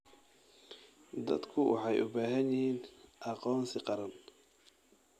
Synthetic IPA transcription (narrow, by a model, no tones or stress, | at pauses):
d̪ɐ̰d̪kʰʊwʔɑ̰ħɑjʔʊbaːɦɐnjɪhiːnʔɑqɔːnsɪqɑɾɐn